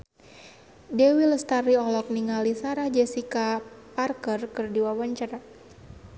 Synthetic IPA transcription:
dɛwiləst̪aɾiɔlɔk̚niŋalisaɾahd͡ʒɛsikaparkərkərdiwawaɲt͡ʃaɾa

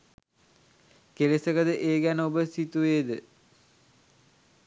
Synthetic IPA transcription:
kelesəkəd̪əʔeːɡænəobəsit̪uʋeːd̪ə

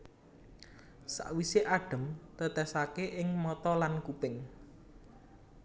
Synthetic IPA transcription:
sa̰ʔwiseʔaɖ̥ə̤mt̪ət̪ɛsakeʔɪŋmɔt̪ɔlankupɪŋ

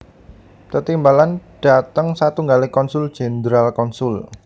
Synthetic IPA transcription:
t̪ət̪imbalanɖ̥a̤t̪əŋsat̪uŋɡalekɔnsʊld̥ʒ̥ɛ̤nd̪ɾalkɔnsʊl

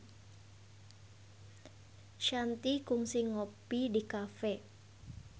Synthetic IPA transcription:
ʃant̪ikʊŋsɪŋopidikafɛ

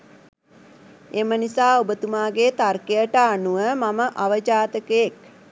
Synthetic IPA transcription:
emənisaːobət̪umaːɡet̪arkejəʈəanuʋəmaməʔaʋəd͡ʒaːt̪əkəjek̚

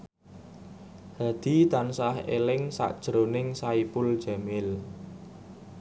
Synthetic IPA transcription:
had̪̥i̤t̪ansaɦḛlɪŋsa̰ʔd̥ʒ̥ɾonɪŋsaipʊl̥ʒ̥a̤mɪl

